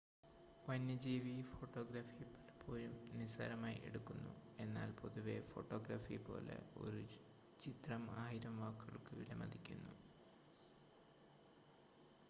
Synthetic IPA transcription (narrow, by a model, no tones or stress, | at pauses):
ʋɐnːɐd͡ʑiːʋifo̞ʈːo̞ːɡɾaːfipːɐlpʰːoːlumnisa̰ːɾɐmaːjiʔe̞̰ɽukːunːṵe̞nːaːlpo̞ðuʋe̞fo̞̰ʈːo̞ːɡɾafipo̞̰ːlḛo̞̰ɾu | t͡ɕit̪rɐmaːjiɾɐmʋaːkːɐɭkɨʋilɐmɐd̪ikʲːunːu